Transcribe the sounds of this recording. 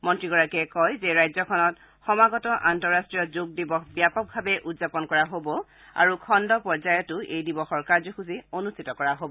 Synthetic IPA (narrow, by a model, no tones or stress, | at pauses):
mɔntɹiɡɔɹakɛkɔjzɛɹajzɔkʰɔnɔt | xɔmaɡɔtɔʔantɔɹastɹijɔzoɡ̚dibɔxbijapɔk̚bʱabɛʔutzapɔnkɔɹaɦobɔ | a̰ɹukʰɔndɔpɔɹzajɔtʊʔejdibɔxɔɹkaɹzɔxuzionustʰitɔkɔɹaɦobɔ